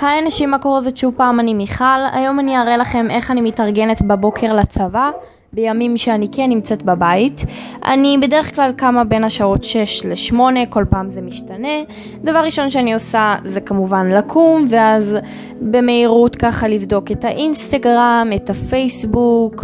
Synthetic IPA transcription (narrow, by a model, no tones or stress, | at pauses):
haanaʃimakoʁozotʃupaːmanimiχala̰jo̞maniaʁelaχe̞mʔe̞χanimitaʁɡe̞netbabo̞kʰe̞ʁlat͡sava | bejamimʃeanikenːimt͡setbabaitʔa̰nibe̞de̞ʁeχklalkamabe̞nhaʃao̞tʃeʃleʃmo̞ne̞ko̞lpaːmzemiʃtane̞ | davaʁːiʃo̞nʃeanio̞sazekamuvanlakʰumveaz | be̞me̞iʁutkaχalivdo̞ketaʔinst̪aɡʁametafejsbuk